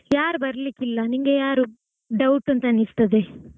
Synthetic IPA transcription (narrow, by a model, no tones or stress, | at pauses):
jaːɾubɐɾɐlikilːɐniŋɡejaːɾu | ɖɐwʈːɐnt̪ɐnist̪ɐd̪e